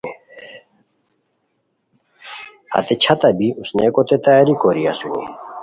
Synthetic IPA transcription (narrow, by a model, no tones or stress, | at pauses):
hɐ̰t̪et͡ɕʰɐt̪ɐbiusnekot̪et̪aaɾikoɾia̰suwṵ